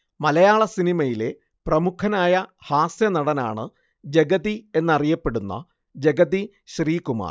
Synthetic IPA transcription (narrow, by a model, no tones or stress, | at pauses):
mɐlɐjaːɭɐsinimɐjile̞ | prɐmukʰɐnaːjɐhaːsjɐnɐɽɐna̰ːɳɨ | d͡ʑe̞ɡɐðie̞nːɐrijɐpːe̞ɽunːɐ̰ | d͡ʑeɡɐði | ɕriːkuma̰ːr